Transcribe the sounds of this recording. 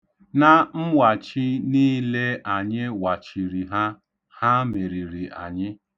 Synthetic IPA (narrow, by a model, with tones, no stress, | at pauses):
na˦˨m̩˦wa˨t͡ʃi˦niː˦le˦a˨ɲɪ˦wa˨t͡ʃi˨ɾi˨ɦa˦ | ha˦me˨ɾi˨ɾi˨ʔa̰˨ɲɪ˦